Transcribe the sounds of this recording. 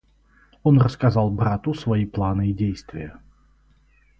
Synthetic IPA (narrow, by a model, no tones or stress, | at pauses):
onrəskɐzalˠbɾat̪ʊsvɐiplˠanɨidʲejst̪vʲɪjə